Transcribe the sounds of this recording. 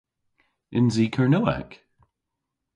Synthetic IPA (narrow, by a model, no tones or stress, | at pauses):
ʔɪ̃nzikʰə˞noʊɛ̰k